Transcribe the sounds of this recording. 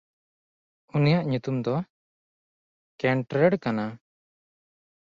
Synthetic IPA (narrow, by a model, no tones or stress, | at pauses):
unijaʔɲut̪umd̪ɔ | kɛɳʈɾɛɽkana